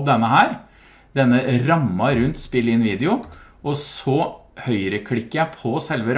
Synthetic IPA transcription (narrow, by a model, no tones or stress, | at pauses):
d̪ɛnːəhæːɾ | d̪ɛnːəɾɑmːɑɾʉnt̪spɪlɪnʋiːd̪ɛʊ | ɔsɔhœʏɾəkʰɽɪkːəjæɪpʰɔsɛlʋəɾ